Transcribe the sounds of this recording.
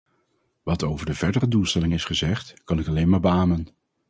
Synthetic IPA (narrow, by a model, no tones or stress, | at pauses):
ʋɑtowvəɹdəv̥ɛɹdərədulˠstɛlɪŋɪsχəzɛχtkɑnɪkɑlejnmaːɹbaːmən